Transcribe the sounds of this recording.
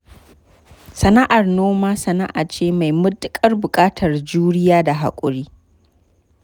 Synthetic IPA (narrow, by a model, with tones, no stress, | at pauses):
sɐ˨na˦ʔa˨rnoː˦maː˦sɐ˨na˦ʔa̰ː˨t͡ʃeː˦ma˨jmʊ˦tʼɪ˦kʼɐ˦rbʊ˨kʼaː˦tʰɐ˨rd͡ʒuː˦ɽɪ˦jaː˦da˨ɦa̰˨kʷʼʊ̰˨ɽiː˦